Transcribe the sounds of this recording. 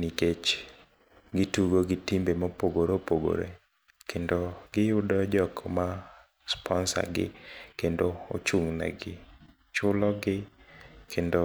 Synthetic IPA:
niket͡ʃ | ɡɪtuɡoɡɪtimbemɔpoɡoɾopoɡo̰ɾḛ | kʰendoɡɪʊdɔd͡ʒɔkma | spʰɔnsa̰ɡɪ̰kendoo̰t͡ʃuŋna̰ɡɪ | t͡ʃʊlɔɡɪkʰendo

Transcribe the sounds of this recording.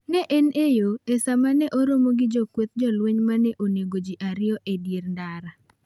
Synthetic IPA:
nɛʔenejoesamanɛʔoɾomoɡɪd͡ʒɔkwet̪̚d͡ʒɔlweɲmanɛʔoneɡod͡ʒiʔaɾɪɔʔedjerndaɾa

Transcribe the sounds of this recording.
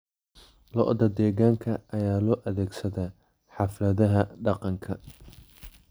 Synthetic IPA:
lɔ̰ʔðɐd̪ɛːɣaːŋkʰɐʔɐjaːlɔːʔɐðɛːɡsɐðɛ | ħɑflɐðɐɦɐɖɑqɑŋkʰɐ

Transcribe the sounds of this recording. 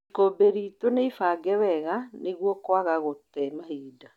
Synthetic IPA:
ikobeɾiːtoneifaɡɛwɛɣaneɣwɔkwaɣaɣotɛmahiːda

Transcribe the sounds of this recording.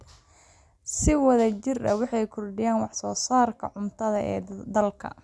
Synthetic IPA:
sɪwɐðɐt͡ʃɪrɐwɑħɑjkʰɔrɖɪjaːnwɑħsɔːsaːrkʰɐ̰ʕʊmt̪ʰɐðɐʔɛ̰ːd̪ɐlkʰɐ̰

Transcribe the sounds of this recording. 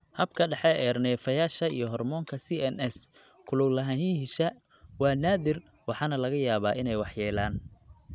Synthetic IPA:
hɐbkʰɐɖɑħɛɛrnɛːfɐjaːʃɐijɞɦɔrmɔːŋkʰɐsiɛnɛs | kʰʊlʊɡlɐɦɐɦiɦɪʃɐ | wɑːnaːðɪr | wɑħɑːnɐlɐɣɐjaːβaːʔɪnɛjwɑħjɛːlaːn

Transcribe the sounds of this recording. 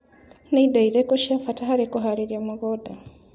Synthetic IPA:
neidaiɾekoʃiafataɦaɾikoɦaɾeɾjamaɡoda

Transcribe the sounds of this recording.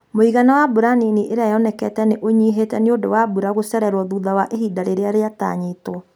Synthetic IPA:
moiɣanawabuɾaniniʔeɾeajɔnɛkɛtɛneʔoɲiɦetɛneodo̰wabuɾaɣosɛɾɛɾwɔðuðawaʔeɦidaɾeɾeaɾeata̰ɲetɔ

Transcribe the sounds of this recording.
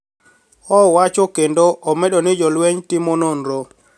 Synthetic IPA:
ɔwat͡ʃokendoʔomeɗonɪd͡ʒɔlweɲtɪmononɾo

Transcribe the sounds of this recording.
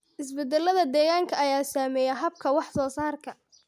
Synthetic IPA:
ʔɪsbɛd̪ɛlɐðɐd̪ɛːɣaːŋkʰɐʔɐjaːsaːmɛːjɛɦɐb̚kʰɐwɑħsɔːsaːrkʰɐ

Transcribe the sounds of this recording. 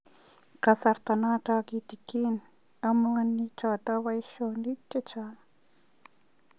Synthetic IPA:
kasaɾt̪anat̪akit̪ikin | amaanːit͡ʃaːt̪awajʃonit͡ʃːet͡ʃa

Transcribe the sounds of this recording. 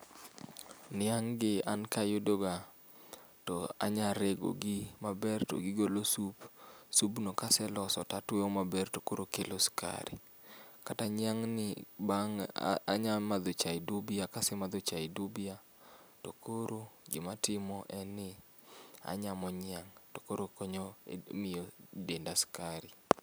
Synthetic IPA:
nɪaŋɡɪankajodoɡa | tɔa̰ɲaɾeɡo̰ɡɪmabɛrto̰ɡɪɡolosupsubnokasɛlɔsɔtatweomabɛrtokoɾokeloska̰ɾḭ | kataɲɪaŋnɪbaŋ̰a̰ɲamad̪ot͡ʃaidubiakasɛmad̪ot͡ʃaidubia | tokoɾoɡɪmatɪmɔʔɛnɪ | a̰ɲamɔɲɪaŋtokoɾokoɲomɪjɔdendaskaɾi

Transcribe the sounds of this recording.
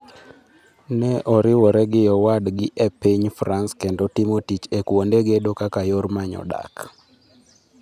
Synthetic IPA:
nɛʔɔɾɪwɔɾɛɡɪjɔwadɡɪʔepiɲfɾanskendotimotit͡ʃekwondeɡedokakajormaɲɔ̰da̰k

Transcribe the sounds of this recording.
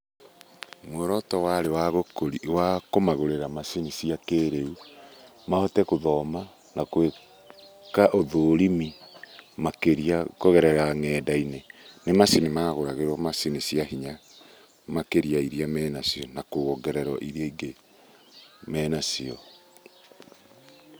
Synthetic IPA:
mwɛɾɔtɔwaɾewaɣokoɾiwakomaɣoɾeɾamasinisiakeɾeu | mahɔtɛkoðɔma | nakwe | kaʔoðoːɾimimakeɾiakoɣɛɾɛɾaŋɛːdainenemasinimaɣoɾaɣeɾwɔmasinisiahiɲa | makeɾiaiɾiamɛnasiɔnakoɣɔɡɛɾɛɾɔʔiɾiaiɡe | mɛːnasiɔ

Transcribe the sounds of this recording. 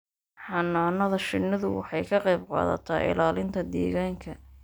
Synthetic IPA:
ħɑnːaːnɐðɐʃɪnːɐðʊwɑ̰ħɑjkʰɐqɑjbqɑ̰ːðɐ̰t̪ʰaːʔɪ̰laːlɪnt̪ʰɐd̪ɛ̰ːɣaːŋkʰɐ

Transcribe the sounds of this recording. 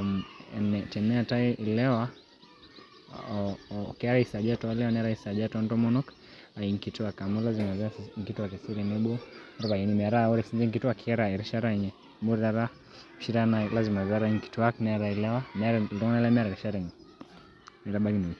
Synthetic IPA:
mɛnɛtɛnɛataiilɛwa | kɛaɾaisad͡ʒatɔalɛwanɛaɾaisad͡ʒatɔndɔmɔnɔk | aiŋkituakamulazimazaŋkituakɛsiɾinɛɓɔɾbailmɛaɾaɔɾɛsinzɛŋk̬ituakiɛɾaɛɾiʃaɾaɲɛ | muɾaɾa | ʃiɾanalazimazaɾaiŋki̥tuaknɛaɾailɛwamɛɾadɔŋnalɛmɛɾaɾiʃaɾaɲɛ | ɛɾabaɡini

